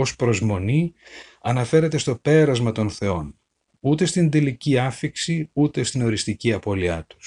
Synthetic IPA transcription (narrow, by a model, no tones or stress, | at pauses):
ospɾo̞zmo̞ni | ɐnɐfe̞ɾe̞t̪e̞st̪o̞pe̞ɾɐzmɐt̪o̞nθe̞o̞n | ut̪e̞st̪ind̪iliciɐfiksiut̪e̞st̪ino̞ɾist̪iciɐpo̞liɐt̪u̥s